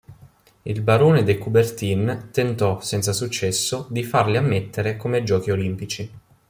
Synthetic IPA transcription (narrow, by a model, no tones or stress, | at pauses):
ilbaɾoːned̪ekubert̪int̪ent̪ɔsɛnt̪sasut͡ʃːɛsːod̪ifarliamːet̪ːeɾekomed͡ʒɔːkiolimpit͡ʃi